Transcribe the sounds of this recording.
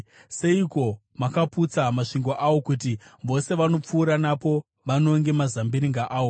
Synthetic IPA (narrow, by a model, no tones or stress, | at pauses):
se̞iko̞ | makaput͡samaʂiŋɡo̞ʔawo̞kutiʋo̞se̞ʋano̞p͡fuːɾanapo | ʋano̞ŋɡe̞mazambiɾiŋɡaʔaːwo̞